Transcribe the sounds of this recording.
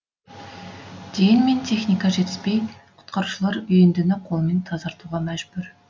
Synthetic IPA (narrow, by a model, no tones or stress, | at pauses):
d̪̥ejɪnme̞nt̪ʰe̞χnijkɑʒe̞t̪ɪz̥pejqʰʊ̥t̪qɑɾuʃəlˠɑɾʏjend̪ɪnɪqʰo̞lˠme̞nt̪ʰɑzɑɾt̪uʁɑmæʒbʏɾ